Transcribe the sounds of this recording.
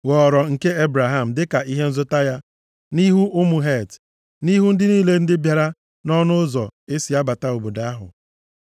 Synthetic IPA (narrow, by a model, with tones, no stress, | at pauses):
wɔ˨ɾɔ˨ŋ̩˨ke˦e˦bɾa˨ɦa˦m̩˨dɪ˦ka˨ʔi˦ɦe˦n̩˦zʊ˦ta˦ja˦ | ni˦ɦu˦ʔʊ˦mu˨ɦe˦˨t | ni˦ɦu˦n̩˦dɪ˦niː˦le˦n̩˦dɪ˦bja˨ɾa˦ | nɔ˦nʊ˦zɔ˨e˦si˨a˦ba˨ta˦o˨bo˨da˦a˦ɦʊ̰˨